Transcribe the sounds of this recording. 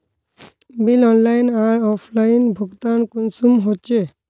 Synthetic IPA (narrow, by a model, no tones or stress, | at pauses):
bilɔnlajnaɾɔpʰlajinbʱuɡt̪ankunsumɦot͡ʃe